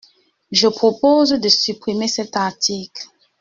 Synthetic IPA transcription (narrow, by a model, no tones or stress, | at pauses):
ʒəpχopozd̪əsypχimesɛt̪aʁt̪ʰikl